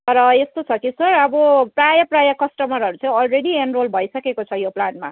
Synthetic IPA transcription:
t̪ʌɾʌest̪ot͡sʰʌkisʌrʌbʌprajʌprajʌkʌsʈʌmʌɾɦʌɾut͡sʌĩʌlreɽienrolbʱʌjsʌkekot͡sʰʌjoplanma

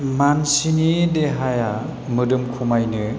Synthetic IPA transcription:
mansinideɦaja | mɯdɯmkʰumajnɯ

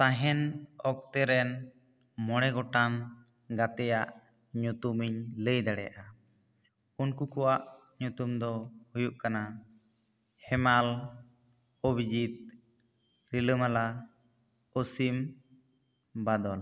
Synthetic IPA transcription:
t̪aɦɛnɔk̚t̪ɛɾɛn | mɔɽ̃ɛɡɔʈan | ɡat̪ɛjaʔ | ɲut̪umiɲləjd̪aɽɛja̰ʔa | unkukɔwaʔ | ɲut̪umd̪ɔhujuʔkana | hɛmal | obid͡ʒit̪̚ | ɾiləmala | osim | bad̪ɔl

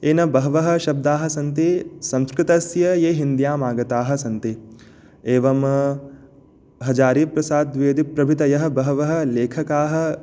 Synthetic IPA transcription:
eːnɐbɐɦɐʋɐɦɐ̆ʃɐb̚d̪aːɦɐ̆sɐnt̪esɐ̃nskɾɪt̪ɐsjɐjeːɦind̪jaːmaːɡɐt̪aːɦɐ̆sɐnt̪e | eːʋɐm | ɦɐd͡ʒaːɾiːpɾɐsaːd̪ʋeːd̪ipɾɐbʱit̪ɐjɐɦɐ̆bɐɦɐʋɐɦɐ̆leːkʰɐkaːɦɐ̆

